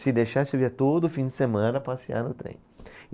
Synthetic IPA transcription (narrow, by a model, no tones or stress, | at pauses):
sɪd̪ejʃasʊviɐt̪od̪ʊfĩd͡ʒɪsemɐ̃nɐpasia̰ɾnʊt̪ɾḛ̃j̃